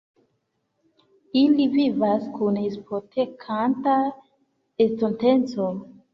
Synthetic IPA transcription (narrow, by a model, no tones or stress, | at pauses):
ilivivaskunhispotʰekʰanta | estontent͡so